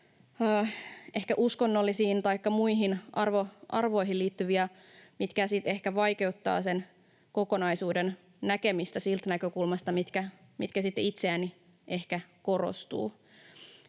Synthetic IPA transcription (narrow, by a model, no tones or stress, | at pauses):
əːʔe̞hkæʔuskonːolːisiːnt̪ɑikːɑmuiɦinʔɑrʋoʔɑrʋo̞iɦiliːt̪ːyʋiæ | mit̪kæsit̪e̞hkæʋɑjke̞ut̪ːɑ̰ːsen | koko̞nɑisuːden | næke̞mist̪æsilt̪nækøkulmɑst̪ɑmit̪kæ | mit̪kæsit̪ːeit̪seæni | ʔe̞hkæko̞ro̰st̪ṵː